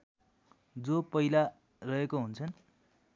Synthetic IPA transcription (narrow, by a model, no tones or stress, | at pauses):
d͡zopʌila | rʌɦekoɦunt͡sʰʌn